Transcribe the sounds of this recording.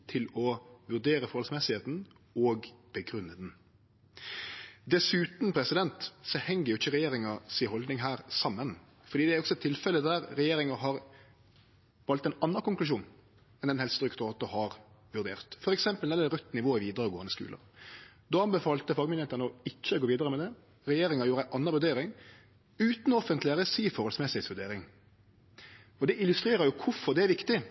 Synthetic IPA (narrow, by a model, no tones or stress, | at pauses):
t̪ʰɪlɔʋʉʁd̪eːɾəfɔɾhɔlsmɛsɪheːt̪n̩ | ɔɡb̥əɡɾʉnːəd̪n | d̪ɛsʉːt̪n̩pʰɾɛsɪd̪ɛnt̪sɔhɛŋːəɾjʊɪçːəɾɛjeːɾɪŋɑsiɦɔld̪nɪŋɦæːɾsɑmːən | fɔɾd̪iːd̪ɛæɾɔksɔɛt̪ʰːɪlfɛləd̪æɾɾɛjeːɾɪŋəɦɑɾ | ʋɑlt̪ɛnɑnːəkʊŋklʉʃ̬uːn | ɛnd̪ɛnhɛlst̪ɾʏkt̪ɔt̪ːɔhɑɾ | ʋʉɾd̪ḛːʁt̪fɔɾɛksɛmpəld̪ɛnɛɾœt̪ːnɪʋoːɪʋiːd̪ɾəɾəɡoːɑnəskʉ̰ːlʔə̰ | d̪oɑnbəfɑːlt̪əfɑːɡəmɪnɛt̪ənəɔɪçːəɡoːʋiːd̪əɾəmɛd̪ɛ | ɾɛjeːɾɪŋɑɾjuːɾəæɪʔɑnːəɾʋʉɾd̪eːɾɪŋ | ʉːt̪nɔfənt̪lɪæɾəsiːfɔɾɔlsmɛsɪhɛtsʋʉd̪eːɾɪŋ | ɔd̪ɛɪlʉst̪ɾeːɾəɾjʊkʰʊfɔɾd̪ɛæɾʋɪkt̪ɪ